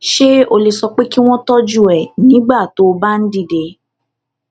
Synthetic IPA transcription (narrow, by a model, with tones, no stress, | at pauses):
ʃe˦o˧le˨sɔ˧k͡pe˦ki˦w̃ɔ̃˦tɔ˦d͡ʒu˦˨ɛ˨nĩ˨˦ɡ͡ba˦˨to˨˦ba˦n̩˦di˦˨de˨